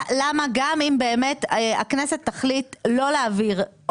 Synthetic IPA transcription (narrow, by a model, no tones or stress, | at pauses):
lamaɡamimbe̞ːmeta̰kneset̪ːaχlitlo̞leːviʁ